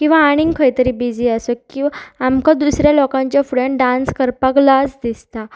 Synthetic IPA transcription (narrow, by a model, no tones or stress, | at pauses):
kĩw̃ʋaːɽ̃ĩŋkʰəjt̪əɾiːbid͡ziəsəkiamkad̪usɾjalɔkãɲt͡ɕjafuɽeɳɖãnskəɾpaklasd̪ist̪a